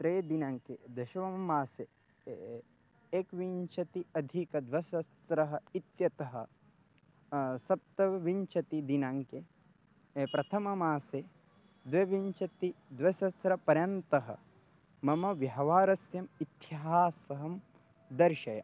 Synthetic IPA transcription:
t̪ɾejd̪inaːŋked̪ɐʃɐʋɐmɐmaːse | eːkʋiɲt͡ʃʰɐt̪iɐd̪ʱikɐd̪ʋɐsɐsɾɐɦɐ̆it̪jɐt̪ɐɦɐ̰ | sɐp̚t̪ɐʋiɲt͡ʃɐt̪id̪inaːŋke | pɾɐt̪ʰɐmɐmaːse | d̪ʋɐʋiɲt͡ʃɐt̪id̪ʋɐsɐsɾɐpɐɾjɐnt̪ɐɦɐ̰ | mɐmɐʋjɐɦɐʋaːɾɐsjɐmit̪jɦaːsɐɦɐm | d̪ɐɾʃɐjɐ̰

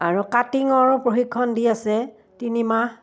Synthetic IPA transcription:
aɹukatiŋɔɹpɹoxikʰːɔndiasɛ | tinima

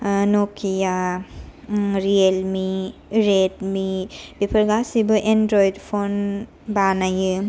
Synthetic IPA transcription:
nokʰija | ɾielmiɾedmibipʰɐɾɡasibɯʔendɾojdpʰon | banajɯ

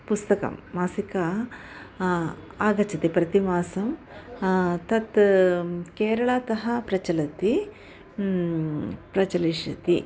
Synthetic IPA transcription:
pust̪ɐkɐ̰mːaːsikɐ | aːɡɐt͡ʃɐt̪ipɾɐt̪imaːsɐm | t̪ɐt̪ | keːɾɐɭaːt̪ɐɦɐpɾɐt͡ʃɐlɐt̪i | pɾɐt͡ʃɐliʃɐ̰t̪ḭ

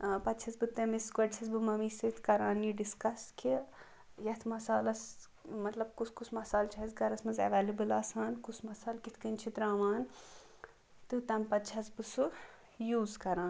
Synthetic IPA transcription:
pɐt̪t͡ʃʰɐsbɨt̪ɐmiskɐʈt͡ʃʰɐsbɨmɐmisit̪ʰkɐɾaːnjiɖiskɐskʰi | jɐt̪ʰmɐsaːlɐs | mɐt̪lɐb̚kusʰkusʰmɐsaːlt͡ʃʰɐɦizɡɐɾɐsmɐnzɐ̰ʋeːlibɨlaːsaːnkusʰmɐsaːlkit̪ʰkɐnt͡ʃʰit̪ɾaːʋaːn | t̪ɨt̪ɐmpɐt̪t͡ʃʰɐsbɨsu | juːzkɐɾaːn

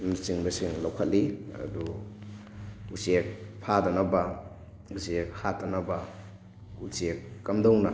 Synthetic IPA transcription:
misiŋbɐsiŋlawkʰat̚liɐ̰du | usiek̚pʰadanaba | usiek̚hatanaba | usiekːamdawna

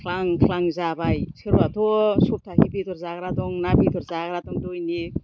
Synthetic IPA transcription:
kʰlaŋkʰlaŋzabajsʰeɾuat̪ʰosup̚tʰakʰipit̪ʰoɾzaɡɾat̪oŋnabit̪ʰoɾzaɡɾat̪oŋdojni

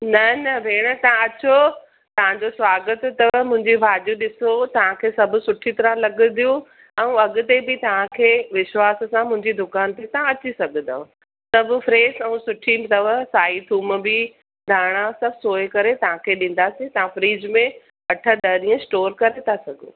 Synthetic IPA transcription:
nɐnɐʋeːɽ̃ət̪ɐɦãɐt͡ɕo | t̪ɐʋ̤ãɲd͡ʑosʋaːɡət̪t̪ɐʋəmʊ̃ɦɪ̃ɲd͡ʑiʋʱaːd͡ʑuɗɪsot̪ɐʋãkʰeːsɐbʱʊ̆sʊʈʰit̪ɐɾə̃lɐɡʊ̆d̪ʱijũ | ɛ̃ũɐɠʊ̆t̪ebɪt̪ɐʋ̤ãkʰeːʋɪʃʋaːssãmʊ̃ɦɪ̃ɲd͡ʑid̪ʊkaːnt̪et̪ɐɦãɐt͡ɕisɐɡʱə̃nd̪ɐɦ | sɐbʱʊfɾeːzɛ̃ũsʊʈʰimt̪ɐʋəsaːit̪ʰuːmbi | d̪ʱaːɽ̃asɐbʱsoːjkɐɾet̪ɐʋ̤ãkʰeːɗĩːn̆d̪asĩt̪ɐʋãfɾiːd͡ʑmẽ | ɐʈʰəɗ̪ɐːɾiə̃sʈoːɾkɐɾet̪ʰasɐɡʱo̰ː

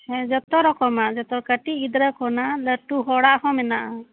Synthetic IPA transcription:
hɛ̃d͡ʒɔt̪ɔɾɔkɔmad͡ʒɔt̪ɔkəʈiid̪ɾəkɔnaləʈuɦɔɽaʔhɔ̃mɛnaʔa

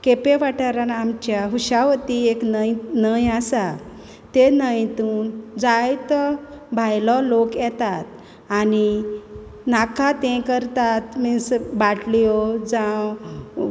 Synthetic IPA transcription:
kepeʋaʈəɾanamt͡ɕjaɦuɕaʋt̪ieknəjnəjasa | t̪enəjt̪uːnd͡zajt̪ɔbʱajlɔlokjɛt̪at̪̚ | ani | nakʰat̪ɛ̃kəɾt̪at̪mĩsbaʈlijɔd͡zã

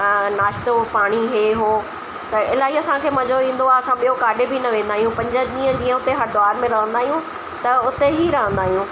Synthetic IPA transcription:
naːʃt̪opaːɽ̃iɦeɦoː | t̪ɐɪlaːɦiɐsãkʰeːmɐd͡ʑoĩːn̆d̪oaːɐsãɓijokaːɗebʱinɐʋẽːnd̪aːɦijũpɐ̃ɲd͡ʑə̆ɗĩːə̃d͡ʑĩːə̃ʊt̪eɦɐɽd̪ʊaːɾmẽɾɐɦə̃nd̪aːɦijũ | t̪ɐʊt̪eɦiɾɐɦə̃nd̪aːɦijũː

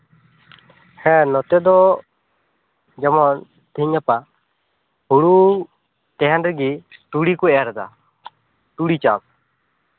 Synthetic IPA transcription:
hɛ̃nɔt̪ɛd̪ɔ | d͡ʒamɔn | t̪iɲapa | huɽuŋ | t̪ɛɦɛnɾɛɡiʈuɽikɔɛjaɾɛd̪a̰ | ʈuɽit͡ʃap̚

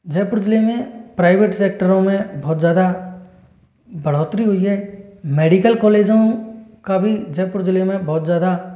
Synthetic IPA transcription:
d͡ʒɛːpʊɾʊd͡ʒlemẽpɾaːɪʋeːʈseːk̚ʈəɾõmẽbɔːt̪zjaːd̪a | bɐɽ̤oːt̪ɾiɦʊiɦɛːmeːɖikəlkɔːleːd͡ʒõkabʱid͡ʒɛpɾd͡ʒlemẽbɔːt̪zjaːd̪a

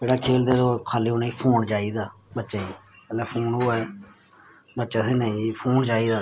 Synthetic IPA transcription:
d͡ʒeːɽaːkʰeːld̪eːd̪oːkʰaːliːoːnaiːpʰoːnd͡ʒaːiːd̪aːbətːʃaːiːɛːlɛːpʰoːnɦoːɛː | bətːt͡ʃaːseːnĩːpʰoːnd͡ʒaːiːd̪aː

